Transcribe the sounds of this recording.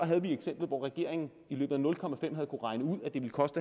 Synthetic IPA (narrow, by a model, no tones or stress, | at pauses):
ɒɦæð̞̩ˠʋieɡ̥sem̰b̥l̩ˠʋɒ̰ːʁɛɡ̥e̝ɐ̰e̝ŋn̩ | ilø̰ːbð̩ˠænɔ̽lkʰɒ̽mæfem̰hæð̞̩ˠkʰuʁɑ̈ɪnəuð̰ˠæd̥e̝ʋe̝lkʰɒ̽sd̥ə